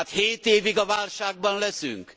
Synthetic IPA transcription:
at̪heːt̪eːviɡɒvaːlʃaːɡ̚bɒnlɛsy̰ŋk

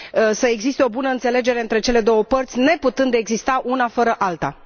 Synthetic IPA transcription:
səe̞ɡzist̪e̞o̞bunəɨnt̪se̞le̞d͡ʒe̞ɾeɨnt̪ɾe̞t͡ʃe̞le̞d̪o̞wəpərt̪sʲne̞put̪ɨnd̪eɡzist̪aʔunafəɾəʔalt̪a̰

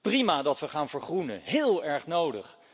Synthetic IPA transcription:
primaːdɑtʋəχaːnvəɹχrunə̰ɦɪːlˠɛɹχnowdə̰χ

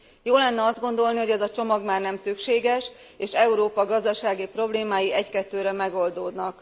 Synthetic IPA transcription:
joːlɛnːɛɒzd̪ɡo̞nd̪o̞lniho̞ɟɛzɒt͡ʃo̞mɒɡmaːrnɛmsykʃeːɡɛʃ | eːʃɛuɾoːpɒɡɒzd̪ɒʃaːɡipro̞bleːmaːjiɛckɛt̪ːøːɾɛmɛɡo̞ld̪oːd̪nɒk

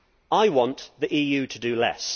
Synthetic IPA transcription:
aɪwɒ̃nʔðiʔiːjʉːtʰədəlɛ̰s

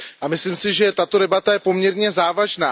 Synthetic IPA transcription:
ʔamɪslimsɪʒɛt̪at̪o̞dɛbat̪ajɛpo̞mɲɛɾɲɛzaːvaʒnaː

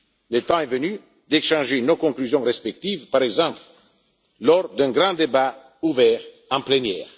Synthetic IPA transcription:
lət̪ɑ̃ɛvəny | d̪eʃɑ̃ʒenokɔ̃ŋklyzjɔ̃ʁɛspɛk̚t̪ivpaʁɛɡzɑ̃pl | lɔʁd̪ɛ̃ɡʁɑ̃d̪eba | uvɛːʁ | ɑ̃plenjɛːʁ

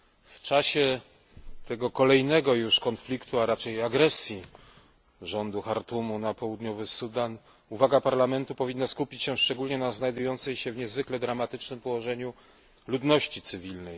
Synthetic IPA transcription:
ft͡ʂaɕɛ | t̪ʰɛɡɔkɔlɛjnɛɡɔjuʂkɔnflʲikt̪uaɾat͡ʂɛjaɡɾɛsʲji | ʐɔnd̪uxaɾt̪umunapɔwud̪ɲɔvɘsud̪an | uvaɡapaɾlamɛnt̪upɔvʲinːaskupʲit͡ɕɕɛʂt͡ʂɛɡulɲɛnaznajd̪ujɔnt̪sɛjɕɛvɲɛzvɘklɛd̪ɾamat̪ɘt͡ʂnɘmpɔwɔʐɛɲu | lud̪nɔɕt͡ɕit̪sɘvʲilnɛj

